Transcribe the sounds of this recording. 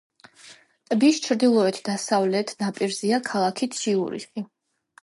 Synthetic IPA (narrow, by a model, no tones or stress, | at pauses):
t̪ʼbist͡ʃʰɾd̪ilˠɔɛt̪ʰd̪asavlɛt̪ʰnapʼiɾziakʰalˠakʰit̪ʰʃiṵɾḭsχi